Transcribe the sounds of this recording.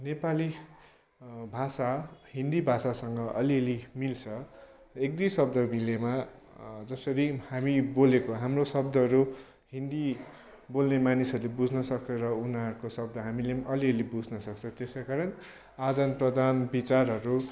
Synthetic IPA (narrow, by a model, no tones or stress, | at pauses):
nepali | bʱasahind̪ibʱasasʌŋɡʌʔʌliʌlimilt͡sʰʌ | ek̚d̪ijsʌbd̪ʌmilema | d͡zʌsʌɾihamibolekoɦamrosʌb̚d̪ʌɦʌɾu | hind̪i | bolnemanisʌɾulebud͡zʱnʌsʌk̚t͡sʰʌ̃ɾʌunaʌɾukosʌbd̪ʌɦamilemʌliʌlibud͡zʱnʌsʌk̚t͡sʰʌõt̪esakaɾʌn | ad̪ʌnprʌd̪anbit͡sarɦʌɾu